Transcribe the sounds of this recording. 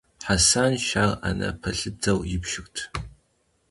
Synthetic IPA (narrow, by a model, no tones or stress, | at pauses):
ħasanʃaːra̰nɐ̰pʰɐɬɨd͡zɐwjɪpʃɪxtʰ